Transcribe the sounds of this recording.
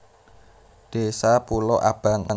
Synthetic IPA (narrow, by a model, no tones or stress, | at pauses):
d̪̥e̤sapulɔʔa̰b̥a̤ŋa